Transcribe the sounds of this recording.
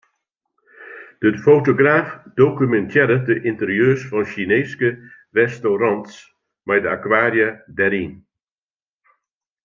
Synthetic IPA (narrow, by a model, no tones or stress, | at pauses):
d̥əfowtoɡraːfdokymɛntʰjɪɾədəʔɪntərjøːsfɔnʃineːskə | rɛstowrɑnts | mɛjdəakwaːrjədɛɾin